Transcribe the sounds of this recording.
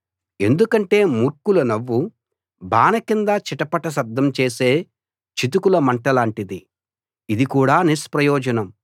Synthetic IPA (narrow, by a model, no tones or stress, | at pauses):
e̞nd̪ukɐɳʈe̞ːmuɾkulɐnɐʋːu | baːnɐkind̪ɐt͡ʃiʈɐpɐʈɐs̬ɐd̪ʱːɐmt͡ʃe̞ːse̞ː | t͡ʃit̪̬ukulɐmɐɳʈɐlaːɳʈid̪i | id̪ikuːɽaːnispɾɐjɔːd͡ʒɐnɐm